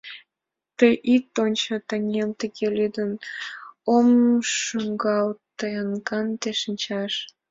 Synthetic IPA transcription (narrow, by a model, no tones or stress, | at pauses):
t̪əjʔit̪onʲt͡ɕət̪əŋemt̪əɣelyd̪ən | omʃuŋɡɑlt̪əjənkɑnt̪eʃənʲt͡ɕɑʃ